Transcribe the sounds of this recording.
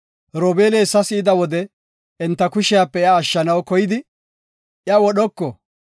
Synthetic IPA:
ɾɔːbe̞ːleːsːɐsɪːd̪ɐwɔd̪ɛ | ɛnt̪ːɐkʊʃɪjaːpːɛɪaːʃːɐnɐwkɔjɪd̪ɪ | jɐwɔɗɔkːɔ

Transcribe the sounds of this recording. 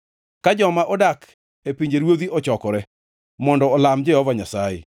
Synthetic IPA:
kad͡ʒɔmaʔɔdak | epiɲd͡ʒeɾwod̪iʔɔt͡ʃɔkɔɾɛ | mɔndɔːlamd͡ʒɛhɔvaɲasaḛ

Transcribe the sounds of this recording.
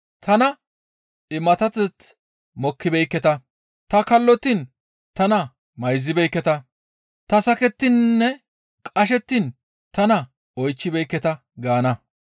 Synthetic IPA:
t̪ʰɐnɐ | ɪmɐt̪ɐt͡s̪ːɛt͡s̪ | mɔkʰːɪbɛjkːɛt̪ɐ | t̪ɐkɐlːɔt̪in | t̪ɐnɐ | mɐjzːɪbɛjkːɛt̪ɐ | t̪ɐsɐkɛt̪ːɪnːɛ | kʼɐʃ̬ɛt̪ːin | t̪ɐnɐ | ɔjt͡ʃːɪbɛjkːɛt̪ɐ | ɡaːnɐ

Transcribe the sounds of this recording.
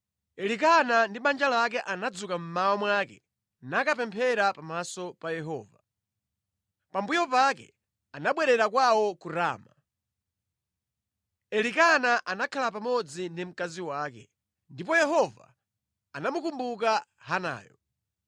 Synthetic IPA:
ɛlik̬anandiɓand͡ʒalaak̬ɛʔanad͡zukam̩mawɔmwakɛ | nakapɛmpʰɛɾapamasɔpajɛɦɔ̰ːva | pambujɔpakɛ̰ | anaɓwɛɾɛɾakwawɔkuɾa̰ːma | ɛlikanaʔanakʰalapamɔd͡zindim̩kaziwaːkɛ̰ | ndipɔjɛɦɔva̰ | anamukumbuk̬a | ɦana̰ːjɔ̰

